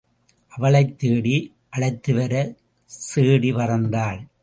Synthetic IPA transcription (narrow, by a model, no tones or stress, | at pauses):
ʔɐʋɐɭɐɪt̪ːeːɽi | ʔɐɭɐɪt̪ːɯʋɐɾɐ | seːɽiʋɐɾɐnd̪aːɭ